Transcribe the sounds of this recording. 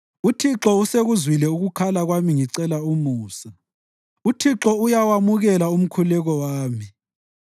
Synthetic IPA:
utʰiǁɔuseɣuzwilɛuɣukʰalaɣwamiŋiǀɛlaumuːsa | utʰiǁɔujawamuɣɛlaum̩kʰulɛɣɔwaːmi

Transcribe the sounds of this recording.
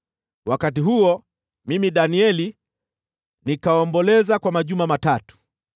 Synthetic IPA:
wakat̬iɦuɔ | mimiɗaniɛli | nikaɔmbɔlɛzakwamaʄumamatatu̥

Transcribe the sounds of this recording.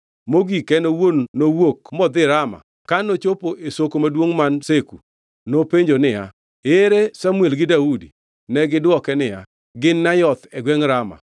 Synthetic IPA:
moɡikɛnowonːowokmɔd̪ɪɾama̰ | kanot͡ʃopoʔesokomadwoŋmanseku | nopeɲd͡ʒonɪja̰ | eɾesamwelɡɪdaudi | nɛɡɪdwɔkɛnɪja̰ | ɡɪnːajɔt̪ɛɡwɛŋɾama̰

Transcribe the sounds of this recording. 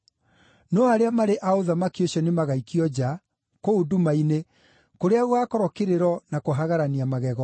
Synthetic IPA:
nɔaɾeamaɾeʔaoðamakioɕɔnemaɣaikiɔd͡ʑa | koudumaine | koɾeaɣwakɔɾɔkeɾeɾɔnakoɦaɣaɾaniamaɣɛɣɔ

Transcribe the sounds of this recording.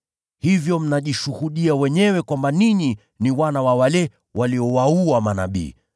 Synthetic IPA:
hivjɔm̩naʄiʃuhuɗiawɛɲɛwɛkwambaniɲi | niwanawawalɛ | waliɔwauamana̰ɓḭː

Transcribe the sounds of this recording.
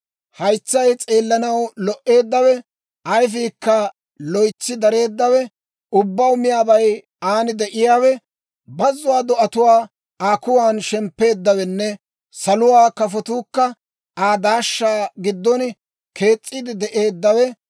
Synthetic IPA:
hɐjt͡sːɐjt͡sʼeːlːɐnɐwlɔʔe̞ːd̪ːɐwɛ | ʔɐjfiːkːɐ | lɔjt͡sːɪd̪ɐɾe̞ːd̪ːɐwɛ | ʊbːɐwʊmɪjaːbɐj | aːnɪd̪ɛʔɪjaːwɛ | bɐzːʊwaːd̪ɔʔɐt̪ʊwaː | aːkʊwaːnʃɛmpːe̞ːd̪ːɐwɛnːɛ | sɐlʊwaːkɐfɔt̪uːkːɐ | aːd̪aːʃːaːɡɪd̪ːɔn | kʰe̞ːt͡sʼːɪd̪ɪd̪ɛʔe̞ːd̪ːɐwɛ

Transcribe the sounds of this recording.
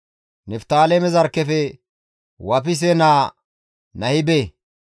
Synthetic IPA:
nɛft̪aːlemɛzɐɾkːɛfɛ | wɐp̬ɪs̬ɛnaː | nɐhɪbeː

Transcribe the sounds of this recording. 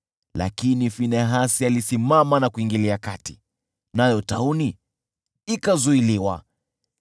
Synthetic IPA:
la̰kinifinɛɦasialisimamanakuiŋɡiliakati̥ | najɔtauni | ikazuiliwa

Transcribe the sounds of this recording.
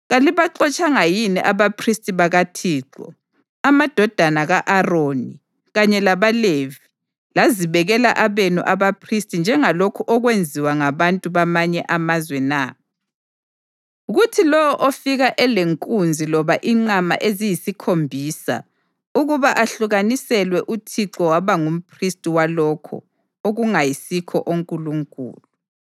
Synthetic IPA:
ɣaliβaǁɔt͡ʃʼaŋajinɛ̰ʔaβapʰristʼiβaɣatʰiːǁɔ̰ | amad̥ʱɔd̥ʱanaɣaʔaroːni | ɣaɲɛlaβalevi | laziβɛɣɛla̰ʔaβenṵʔaβapʰristʼind͡ʒʱɛŋalokʰuʔɔɣwend͡zʱiwaŋaβantʼuβamaɲɛʔamazwɛna | uɣutʰilɔwɔʔofiɣaʔɛleŋkʼund͡zʱilɔβaʔiŋ͡ǀama̰ʔezijisikʰombʱiːsa̰ | uɣuβaʔaɬuɣanisɛlwɛʔutʰiǁɔwaβaŋum̩pʰristʼiwalɔkʰɔ̰ | oɣuŋajisikʰɔʔoŋkʼuluŋkʼṵːlu

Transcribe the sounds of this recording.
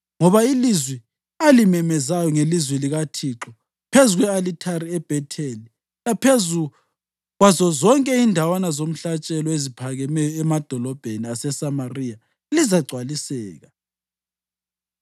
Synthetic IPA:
ŋɔβailizwɛ | alimɛmɛzajɔŋelizwɛliɣatʰiːǁɔ | pʰezuɣwɛalitʰaɾiɛb̥ʱɛtʰeli | lapʰezu | ɣwazɔzɔŋkʼɛindʱawanazom̩ɬat͡ʃʼɛlɔezipʰaɣɛmɛjɔɛmad̥ʱɔlɔb̥ʱeniasɛsamarija | lizaɡ͡ǀʱwalisɛːɣa

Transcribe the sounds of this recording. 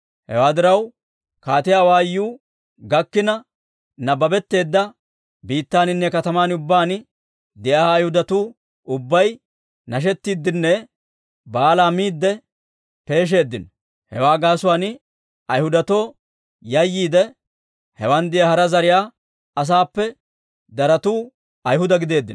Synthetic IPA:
hɛ̰waːd̪ɪɾɐw | kaːt̪ɪjaːwaːjːuː | ɡɐkːɪnɐ | nɐbɐbɛt̪ːe̞ːd̪ːɐ | biːt̪ːaːnɪnːɛkɐt̪ɐmaːnʊbːaːn | d̪ɪjaːjhʊd̪ɐt̪uː | ʔʊbːɐj | nɐʃ̬ɛt̪ːiːd̪ːɪnːɛ | baːlaːmiːd̪ːɛ | pe̞ːʃ̬e̞ːd̪ːɪnɔ | hɛ̰waːɡaːsʊwaːn | ɐjhʊd̪ɐt̪o̞ː | jɐjːiːd̪ɛ | hɛwand̪ɪjɐhɐɾɐzɐɾɪjaː | ɐs̬aːpːɛ | d̪ɐɾɐt̪uː | ɐjhʊd̪ɐɡɪd̪e̞ːd̪ːɪn

